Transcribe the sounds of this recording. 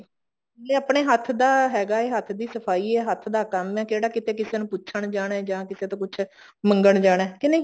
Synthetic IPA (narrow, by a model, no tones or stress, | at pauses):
leːəpɳeːɦət̪ʰd̪aːɦɛːɡaːeːɦət̪ʰd̪iːsəpʰaːiːɛːɦət̪ʰd̪aːkəmɛːkeːɽaːkɪt̪eːkɪseːnũːpʊːʃʰəɳd͡ʒaːɽ̃ɛːd͡ʒãːkɪseːt̪õːkʊt͡ʃʰ | məŋɡəɳd͡ʒaːɽɛːkɪnẽ